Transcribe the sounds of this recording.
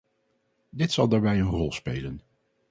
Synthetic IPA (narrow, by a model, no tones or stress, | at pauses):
dɪtsɑlˠdaːɹbɛjənrɔlˠspejlən